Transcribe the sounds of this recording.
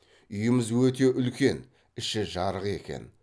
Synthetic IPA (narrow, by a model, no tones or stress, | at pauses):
ʏjəmɪzwɵt̪e̞ʔʏlkʲe̞n | ɪʃɪʒɑɾəʁe̞kʲe̞̰n